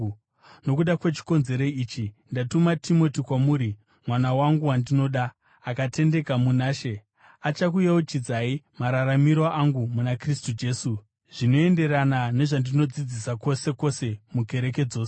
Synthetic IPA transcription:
no̞k̬uɗakwe̞t͡ʃi̥ko̞nze̞ɾoiːt͡ʃindatumatʰimo̞tikwamuːɾi | mwanawaŋɡuwandino̞ɗaː | kate̞nde̞kamunaːʃe̞ | at͡ʃakujawot͡ʃid͡zaimaɾaɾamiɾoʔaŋɡumunakristud͡ʒe̞ːsu | ʐ̥ino̞e̞nde̞ɾanane̞ʐandino̞d͡zid͡zisako̞se̞ko̞se̞muke̞ɾe̞k̬e̞d͡zo̞ːse

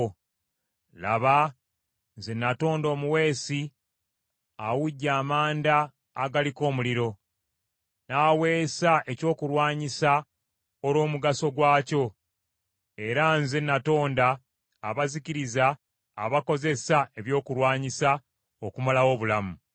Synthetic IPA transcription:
la̰βa | nzenːato̞ːndo̞ːmuwe̞ːsi | awuɟːaːmaːndaː | ɡaliko̞ːmuliɾo̞ | naːwe̞ːsaʔe̞co̞ːkuɾwaːɲisa | oɾo̞ːmuɡaso̞ɡwaːco̞ | e̞ɾanzenːato̞ːndaː | βaziciɾizaː | βako̞ze̞saeβjo̞ːkuɾwaːɲisa | okumalawo̞ːβulamu

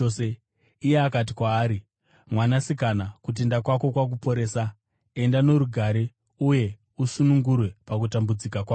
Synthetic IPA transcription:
ose | ijeakat̬ikwaːɾi | mwanasikanakut̬e̞ndakwako̞kwak̬upo̞ɾe̞ːsa | e̞ndano̞ɾuɡʱaɾe̞ | uje̞ | usunuŋɡurwe̞pakutambud͡zikakwaː

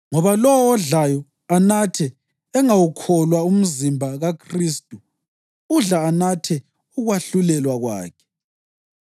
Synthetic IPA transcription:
ŋɔβalɔwɔːɮajɔ | anatʰɛ | ɛŋawukʰɔlwaum̩zimbʱaɣakʰriːstʼu | uɮaːnatʰɛ | uɣwaɬulɛlwaɣwa̰ːkʰɛ̥

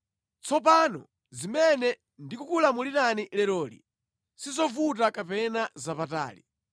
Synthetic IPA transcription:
t͡sɔp̬anɔ̰ | zimɛnɛ | ndikukulamuliɾanilɛɾɔːlḭ | sizɔvut̬akapɛnazapata̰ːlḭ

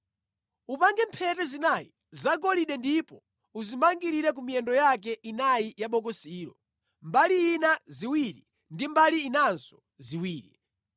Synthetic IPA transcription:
upaŋɡɛmpʰɛtɛzinajḭ | zaɡɔliɗɛndipɔ | uzimaŋɡiɾiɾɛk̬umijɛndɔjak̬ɛʔinajijaɓɔk̬ɔsiːɾɔ̰ | mbaliːnaziwiɾi | ndimbaliːnanzɔ | ziwiːɾḭ

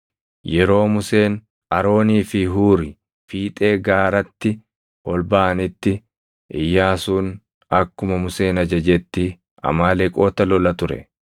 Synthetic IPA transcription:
jɛɾo̞ːmʊse̞ːn | ʔɐɾo̞ːniːfɪɦuːɾɪ | fiːt̪ʼe̞ːɡaːɾɐt̪ːɪ | ɔlbaːɐnɪt̪ːɪ | ʔɪ̰jːaːsuːn | ɐkːʊmɐmʊse̞ːnɐd͡ʒɐd͡ʒɛt̪ːɪ | ɐ̰maːlɛkʼo̞ːt̪ɐlɔlɐt̪ʊɾɛ̰

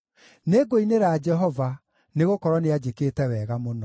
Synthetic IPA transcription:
neɡoineɾaːd͡ʒɛɦɔva | neɣokɔɾɔnead͡ʑekeːtɛwɛɣamonɔ

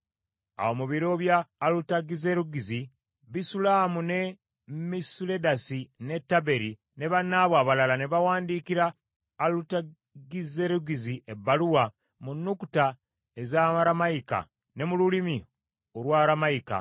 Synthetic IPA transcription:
a̰womuβiɾo̞βjaːlutaɡizeɾuɡizi | βisulaːmune | misule̞dasine̞tːabe̞ɾi | ne̞βanːaːβwaːβalalane̞βawaːndiːkiɾaː | luta | ɡize̞ɾuɡiziebːaluwa | munːukuta | ezamaɾamaika̰ | ne̞mululimi | olwaːɾamaika̰

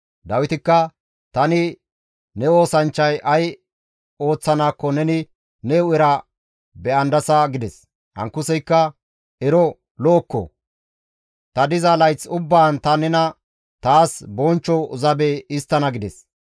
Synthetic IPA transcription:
d̪ɐwɪt̪ɪkːɐ | t̪ɐnɪ | nɛo̞ːsɐnt͡ʃːɐjʔɐj | o̞ːt͡sːɐnaːkːɔnɛnɪ | nɛʊɪɾɐ | bɛɐnd̪ɐsɐɡɪd̪ɛs | hɐ̰ŋkːʊsɛjkːɐ | ɛɾɔ | loːkːɔ̰ | t̪ɐd̪ɪzɐlɐjt͡sʊbːaːnt̪ɐnɛnɐ | t̪aːsbɔnt͡ʃːɔʊzɐbeɪst̪ːɐnɐɡɪd̪ɛs

